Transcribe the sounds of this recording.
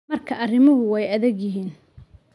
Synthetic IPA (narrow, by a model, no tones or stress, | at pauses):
mɐrkʰɐɐrɪmʊɦʊwɛjɐðɛɡjɪɦiːn